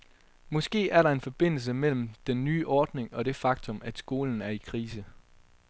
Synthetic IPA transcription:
mɒ̽sɡ̥e̝̰ːæɐɾɑ̈e̝nfɒ̽b̥e̝n̰l̩s̬əmel̰m̩d̥enːyːʔɒːd̥ne̝ŋɒ̽ɾ̥e̝fɑ̈ɡ̥̚t͡sʰɔ̽mæd̥sɡ̥o̝̰ːln̩æɐikʰʁiːsə

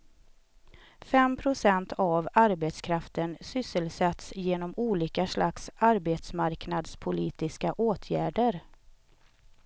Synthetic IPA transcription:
fɛmpʰɾʊsɛnt̪ʰavaɾbet̪skʰɾaft̪ənsʏsːəlsɛt̪sjeːnɔmuːliːkaʂlaksaɾbeːt̪smaɾknad̪spʰʊliːt̪ɪskaʔoːt̪ʰjæːɖəɾ

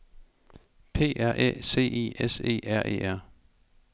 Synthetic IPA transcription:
pʰe̝̰ːʔæɐ̰ʔḛse̝̰ːe̝̰ːʔese̝̰ːæɐ̰ʔe̝̰ːæɐ̰

